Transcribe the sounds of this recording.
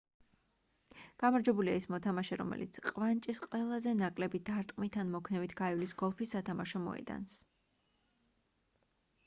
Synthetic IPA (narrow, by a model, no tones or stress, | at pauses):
ɡ̥amaɾd͡ʒɛbulia̰ismɔt̪ʰamaʃɛɾɔ̰mɛ̰lḭt̪sʰqʼvant͡ʃʼisqʼwɛlˠazɛnakʼlɛbid̪aɾt̪ʼqʼmit̪ʰanmɔkʰnɛvit̪ʰɡ̥aivlisɡɔlˠpʰisːat̪ʰamaʃɔmɔ̰ɛ̰d̪a̰ns